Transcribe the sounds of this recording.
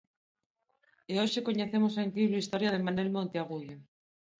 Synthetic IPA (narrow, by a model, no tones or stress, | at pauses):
eoʃekoɲeθemosaeŋkliβɾuist̪oɾjaðemanwelmõnt̪eaɣ̞uðo